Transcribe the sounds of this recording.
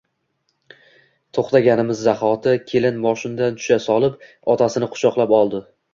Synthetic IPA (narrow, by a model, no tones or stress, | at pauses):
t̪ʰoχt̪aɡʲanɪmɪzːaχɒt̪ʰɪkʲʰe̞lɪnmɒʃɪnd̪ant̪ʰʊ̥ʃasɒlˠɪp | ɒt̪ʰasɪnɪqʰʊ̥ʃɒqlˠapɒlˠd̪ɪ